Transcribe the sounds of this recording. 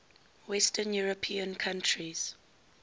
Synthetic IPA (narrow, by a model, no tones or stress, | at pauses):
wɛstʰənjuɹəpʰiə̃nkʰãntʰɹiz̥